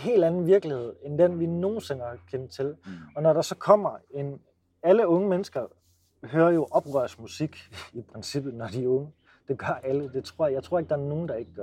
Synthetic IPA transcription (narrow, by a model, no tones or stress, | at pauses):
ɦe̝̰ːld̥ænn̩ʋiɐɡ̥lihe̝ð̞̰ˠend̥enʋino̝ːn̩se̝nɐkʰent͡sʰe̝lɒ̽nɒɾɑ̈sɒ̽kʰɒ̽m̰ɐen | æləɔ̽ŋəmenəsɡ̥ɐ | ɦøːɐjo̝ʔɒ̽b̥ʁœɐsmusiɡ̥ipʰʁɛnsib̥ð̩ˠnɒd̥iɔ̽ŋə | d̥e̝ɡ̥ɶɐʔæləd̥e̝t͡sʰʁo̝ɐ̰jɑ̈ɪt͡sʰʁo̝ɐe̝ɡ̥̚d̥ɑ̈æɐno̝ːn̩d̥ɑ̈e̝ɡ̥əɡ̥ɶɐ